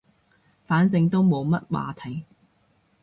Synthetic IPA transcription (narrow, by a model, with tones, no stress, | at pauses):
faː˨˥nt͡sɪ˧ŋt̪o˥wmo˨˧wmɐ˥t̚wa̰ː˨˧t̪ʰɐ˨˥˩j